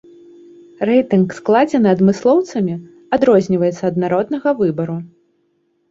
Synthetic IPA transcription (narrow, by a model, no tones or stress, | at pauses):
rɛjt̪ɨnksklˠad͡zʲɛnɨɐd̪mɨslˠɔwt̪sɐmʲi | ad̪ɾɔzʲnʲivɐjɛt̪sːɐːd̪naɾɔd̪nɐɣɐvɨbɐɾu